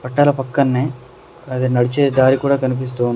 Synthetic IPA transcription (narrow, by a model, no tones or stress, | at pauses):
pɐʈːaːlɐpɐkːɐnːeː | ɐd̪enɐɽit͡ʃeːd̪aːɾikuːɽaːkɐnip̬is̬t̪uːun